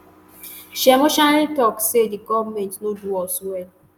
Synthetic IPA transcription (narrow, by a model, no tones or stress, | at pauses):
ʃɛmʊʃalitɔksediɡɔvmɛntnoduɔswɛl